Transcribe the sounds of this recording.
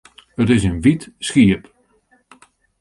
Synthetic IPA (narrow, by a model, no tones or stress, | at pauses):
ətɪsənʋitsxiəp